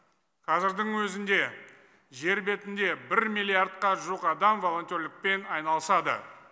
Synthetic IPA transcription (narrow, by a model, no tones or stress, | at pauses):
qʰɑzɪɾd̪ɪŋwɵzɪnd̪e̞ | ʒe̞ɾbe̞t̪ɪnd̪e̞bɪɾmijlʲːiard̪̚qɑʒuqɑd̪ɑmvo̞lˠo̞nt̪ʲo̞ɾlɪk̚pe̞nɑjnɑlˠəsɑd̪ə̰